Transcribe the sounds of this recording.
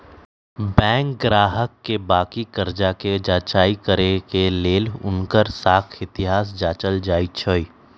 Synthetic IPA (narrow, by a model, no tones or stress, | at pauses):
bɛ̃ːŋk̚ɡɾaːɦəkːebaːkikəɾd͡ʒaked͡ʒaːt͡ʃaːikəɾekeleːlʊ̰nkəɾsaːkʰɪt̪ɪɦaːs̬d͡ʒaːt͡ʃəld͡ʒaːit͡ʃʰoːiː